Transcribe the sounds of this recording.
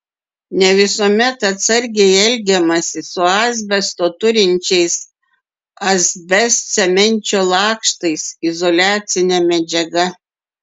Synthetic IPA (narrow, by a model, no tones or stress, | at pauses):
nʲɛʋʲɪsoɔmʲɛt̪ɐt̪sɐɾʲɡʲɛɪɛlʲɡʲɛmɐsʲɪsʊɑːzʲbʲɛst̪oːt̪ʊɾʲɪnʲt͡ʃʲɛɪs | ɐzʲbʲɛssʲɛmʲɛnʲt͡ʃʲoːlˠɑːkʃt̪ɐɪsɪzɔlʲæːt̪sʲɪnʲɛmʲɛd͡ʒʲɛɡɐ